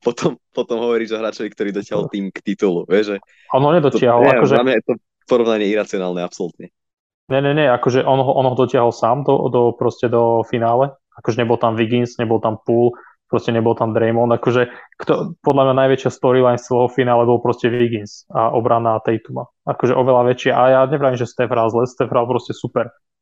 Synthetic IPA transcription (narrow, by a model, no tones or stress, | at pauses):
pɔt̪ʰɔmpɔt̪ɔmɦɔʋɔɾiːʒɔɦɾaːt͡ʃɔʋikt̪ɔɾiːd̪ɔcɪaɦɔliːmkt̪it̪uluʋɪɛʒʒɛ | ɔnɦɔɲɛd̪ɔt̪t͡ɕɪaɦɔlakɔʒɛamɲajɛt̪ɔ | pɔɾɔʋnaɲɪɛiɾat͡siɔnaːlˠnɛapsɔlut̪ɲɛ | ɲɛɲɛɲɛakɔʒɛʔɔnɦɔʔɔnɦɔd̪ɔcɪaɦɔlsaːmd̪ɔ̰d̪ɔpɾɔscɛd̪ɔfinaːlɛ | akɔʒɛɲɛbɔlˠt̪amʋiɡinsɲɛbɔlˠt̪ampuːl | pɾɔscɛɲɛbɔlˠt̪amd̪ɾɛjmɔnd̪akɔʒɛkt̪ɔpɔd̪lamɲanajʋɛt͡ʃɪast̪ɔɾilajnst͡sɛlɛɦɔfinaːlɛbɔlˠpɾɔscɛʋiɡinsaʔɔbɾanat̪ɛjt̪uma | akɔʒɛʔɔʋɛlaʋɛt͡ʃɪaʔajaɲɛpɾaʋimʒɛst̪ɛfɾalzlɛst̪ɛfɾalpɾɔscɛsupɛɾ